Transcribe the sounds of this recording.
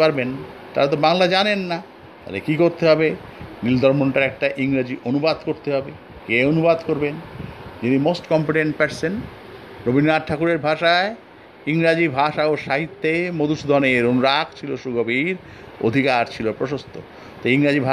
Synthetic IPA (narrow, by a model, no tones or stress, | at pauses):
paɾben | t̪a̰ɾat̪̬obaŋlad͡ʑanenːa | t̪a̰lekikoɾt̪eɦɔbenild̪ʱɔɾmoɳʈaɾɛk̚ʈaʔiŋɾad͡ʑiʔonubad̪koɾt̪eɦɔbe | keonubad̪koɾbend͡ʑinimosʈkɔmpeʈeɳʈ̚pɛɾsen | ɾobʱinːaɾʈʰakuɾeɾbʱaʃae | iŋɾad͡ʑibʱaʃaoʃaɦit̪ːemod̪uʃd̪ʱɔneɾonuɾak̚ʰt͡ɕʰiloʃuɡobiɾ | o̰d̪ʱikaɾt͡ɕʰilopɾoʃost̪ʰo̰ | t̪oiŋɾad͡ʑibʱa